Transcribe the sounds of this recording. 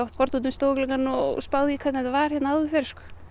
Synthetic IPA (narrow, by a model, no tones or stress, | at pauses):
awht̪fɔɾt̪unt̪ʏmst̪oːwklɛŋkanɔ̰ɣspaːwðikʰvɛt̪nɛt̪avaɾ̥hjɛt̪naaðʏfɛɾskʏ̥